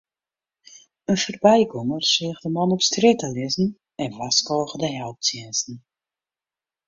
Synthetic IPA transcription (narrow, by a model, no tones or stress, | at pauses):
ənfərbɛjkomərsɪəxdəmɔnɔpstrɪtəlɪzn̩ | ɛnvaskɔːɣədəɦɛlˠp̚siənsn̩